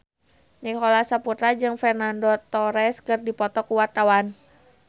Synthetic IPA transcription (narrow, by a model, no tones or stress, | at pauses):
nikɔlasaput̪ɾad͡ʒɨŋfɛrnandɔt̪ɔɾɛskɨrdipɔt̪ɔkuwart̪awan